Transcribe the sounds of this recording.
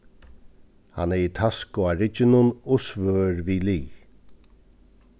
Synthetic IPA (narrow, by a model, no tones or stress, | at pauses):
ha̰nɛit̪ʰaskʊaɾɪt͡ʃɪnʊnɔsvøːɹviːliː